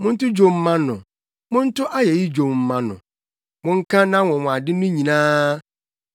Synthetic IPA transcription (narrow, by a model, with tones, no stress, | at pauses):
mʊ̃˦n̩˦tʊ˦d͡ʑo˨m̩˦mã˦nʊ̰̃˨ | mʊ̃˦n̩˦tʊ˦ʔa˦jɛ˨ji˦d͡ʑo˨mm̩˦mã˦nʊ̃˨ | mʊ̃˦ŋ̩˦kʰã˦nã˦wɔ̃˨wɔ̃˨a˨dɪ˦nʊ̃˦ɲĩ˨nãː˦